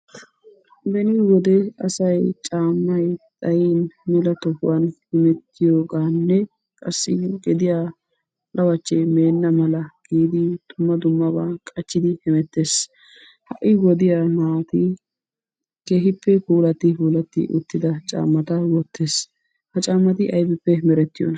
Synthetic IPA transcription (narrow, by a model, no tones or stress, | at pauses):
bɛnɪwɔd̪ɛɐsɐjt͡ʃʼaːmːɐjt̪ʼɐjiːnmɛlɐt̪ɔhʊwɐnhɪmɛt̪ːɪjoːɡaːnːɛ | kʼɐsːɪɡɛd̪ɪjaː | lɐwɐt͡ʃːɛme̞ːnːɐmɐlɐɡ̥iːd̪ɪd̪̥ʊmːɐd̪ʊmːɐbaːkʼɐt͡ʃːɪd̪ɪhɪmɛt̪ːe̞ːs | hɐʔɪwɔd̪ɪjamaːt̪ɪ | keːɦɪpːɛkuːlɐt̪ːɪkuːlɐt̪ːɪ̰ʔʊ̰t̪ːɪd̪ɐt͡ʃʼa̰ːmːɐt̪ɐwɔt̪ːeːs | hɐt͡ʃʼaːmːɐt̪ɪʔɐjbɛpːɛmɛɾɛt̪ːɪjo̰nɐ